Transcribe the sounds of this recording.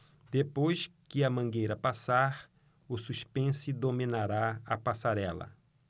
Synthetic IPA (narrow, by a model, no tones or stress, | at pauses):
d̪̥epojskɪɐmɐ̃ɡejɾɐpasaɾ | ʊsuʃpẽsɪd̪omĩnaɾaɐpasaɾɛlɐ̰